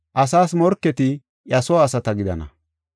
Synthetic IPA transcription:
ʔɐsaːsmɔɾkːɛt̪ɪ | ʔɐsɔːsɐt̪ɐɡɪd̪ɐ̰nɐ̰

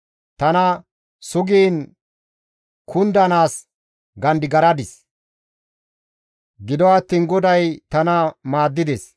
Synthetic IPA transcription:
t̪ɐnɐ | sʊɡiːn | kʰʊnd̪ɐnaːs | ɡɐnd̪ɪɡɐɾɐd̪ɪs | ɡɪd̪ɔɐt̪ːiːnɡɔd̪ɐjt̪ɐnɐmaːd̪ːɪd̪ɛs

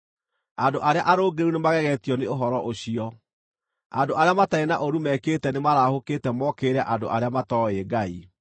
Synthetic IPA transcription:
andoʔaɾeaʔaɾoːɡeɾunemaɣɛɣɛtiɔneoɦɔɾɔʔoɕiɔ | a̰ndoʔaɾeamataenaʔoɾumɛkeːtɛnemaɾahoketɛmɔkeɾɛʔando̰ʔaɾeamatɔeːɡai

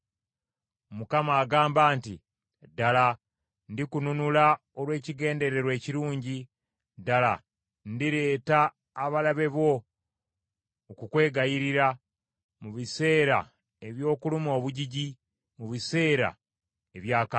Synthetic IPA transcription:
mukamaːɡaːmbaːntḭ | dala | ndikununula | o̞lwe̞ːciɡe̞ːnde̞ɾe̞ɾwe̞ːciɾuːɲɟi | dala̰ | ndiɾe̞ːtaː | βalaβe̞βo̞ | kukwe̞ːɡajiɾiɾa | muβise̞ːɾa̰ | e̞βjo̞ːkulumo̞ːβuɟiɟi | muβise̞ːɾa̰ | e̞βjaːka

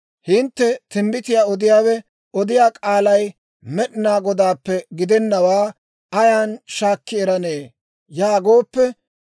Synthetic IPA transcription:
hɪnt̪ːɛt̪ɪmbɪt̪ɪjaːɔd̪ɪjaːwɛ | ɔd̪ɪjaːkʼaːlɐj | mɛɗɪnaːɡɔd̪aːpːɛɡɪd̪ɛnːɐwaː | ɐjaːnʃaːkːɪɛɾɐne̞ː | jaːɡo̞ːpːɛ

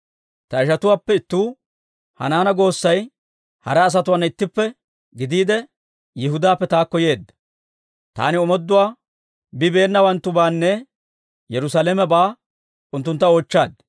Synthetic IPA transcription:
t̪ɐɪʃɐt̪ʊwaːpːɛɪt̪ːuː | hɐ̰naːnɐɡo̞ːsːɐj | hɐ̰ɾɛːs̬ɐt̪ʊwaːnːɪt̪ːɪpːɛ | ɡɪd̪iːd̪ɛ | jɪɦʊd̪aːpːɛt̪aːkːɔje̞ːd̪ːɐ | t̪a̰ːnɪɔmɔd̪ːʊwaː | bɪbe̞ːnːɐwɐnt̪ːʊbaːnːɛ | jɛɾʊsaːlɛmɛbaː | ʔʊnt̪ːʊnt̪ːɐoːt͡ʃːaːd̪̚

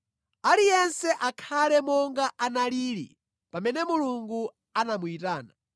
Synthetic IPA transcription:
alijɛnsɛʔakʰalɛmɔŋɡaʔanaliːɾḭ | pamɛnɛmuluŋɡu | anamuitaːna̰

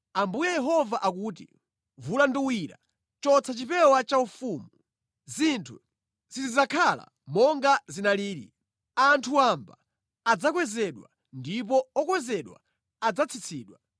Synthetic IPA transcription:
ambujɛjɛɦɔvaʔak̬uːtḭ | vulanduwiɾa̰ | t͡ʃɔt͡sʰat͡ʃipɛwat͡ʃaufuːmu | zintʰu | zizizakʰala̰ | mɔŋɡazinaliːɾi | antʰuambaː | d͡zak̬wɛzɛɗwa̰ | ndipɔɔkwɛzɛɗwa̰ | ad͡zat͡sʰit͡sʰiːɗwa

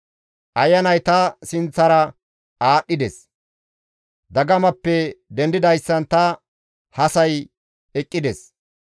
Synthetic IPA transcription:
ʔɐjːɐnɐjt̪ɐsɪnt͡sːɐɾɐ | aːɗːɪd̪ɛs | d̪ɐɡɐmɐpːɛd̪ɛnd̪ɪd̪ɐjsːɐnt̪ɐ | hɐsɐj | ɛkʼːɪd̪ɛs

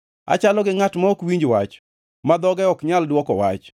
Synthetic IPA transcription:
a̰t͡ʃalɔɡɪŋatmɔokwiɲd͡ʒwat͡ʃ | mad̪ɔɡɛɔkɲaldwɔkɔwa̰t͡ʃ

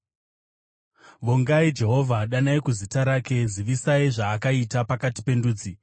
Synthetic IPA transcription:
ʋoŋɡaid͡ʒe̞ɦo̞vʱaɗanaikuzitaɾake̞ziʋisaiʐaːkaitapakati̥pe̞nduːd͡zi

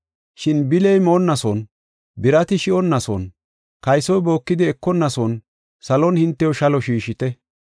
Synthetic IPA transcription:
ʃɪnbɪlɛjmonːɐsɔn | bɪɾɐt̪ɪʃɪɔnːɐsɔ̰n | kɐjsɔjbo̞ːkːɪd̪ɪɛkːɔnːɐsɔn | sɐlɔnhɪnt̪ːɛjɔʃɐlɔʃiːʃɪt̪ɛ

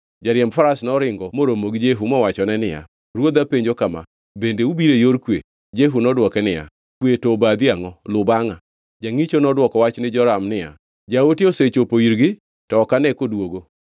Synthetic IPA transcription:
d͡ʒaɾjɛmfaɾasnɔɾɪŋɡɔmoɾomoɡd͡ʒeɦumɔwat͡ʃɔnɛnɪja̰ | ɾwod̪apeɲd͡ʒokama̰ | bendeubiɾejoɾkwe | d͡ʒeɦunɔdwɔkɛnɪja̰ | kwetobad̪iaŋɔlʊbaŋa | d͡ʒaŋit͡ʃonɔdwɔkɔwat͡ʃnɪd͡ʒɔɾamnɪja̰ | d͡ʒaotioset͡ʃopoiɾɡɪ | tɔːkanɛkodwoɡo

